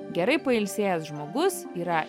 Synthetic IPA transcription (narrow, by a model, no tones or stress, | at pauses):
ɡʲɛɾɐɪpɐɪlʲsʲeːjɛsʒmoːɡʊsiːɾɐ